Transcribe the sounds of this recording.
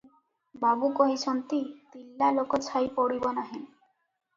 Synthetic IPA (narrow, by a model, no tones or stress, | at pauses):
babukoɦisɔnt̪it̪ilːalokɔt͡ʃʰajpɔɽibɔnaɦin